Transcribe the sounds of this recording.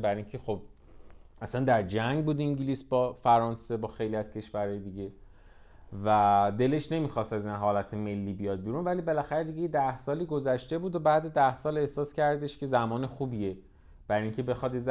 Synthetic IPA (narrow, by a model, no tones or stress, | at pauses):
bæɾiŋcʰe̞xo̞b̥̚ | ʔæsænd̪æɾd͡ʒæŋɡbuːd̪iŋɟiliːsbɒːfæɾɒːnse̞bɒːxe̞jliːæz̥cʰe̞ʃvæɾɒːjed̪iɟe̞ | væd̪e̞le̞ʃne̞miːxɒːst̪æzinɦɒːlæt̪ʰeme̞lːiːbijɒːd̪̚biːɾunvælibe̞læxæɾed̪iɟejed̪æhsɒːliːɡo̞zæʃt̪e̞buːd̪obæːd̪ed̪æhsɒːle̞hsɒːscʰæɾd̪e̞ʃcʰe̞zæmɒːnexuːbiːje | b̥æɾiːŋcʰe̞be̞xɒd̪jez